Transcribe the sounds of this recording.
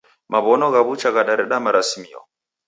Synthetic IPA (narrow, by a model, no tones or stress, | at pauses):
mʔaβɔnɔɣaβut͡ʃaɣaɗaɾɛɗamaɾasimiɔ̰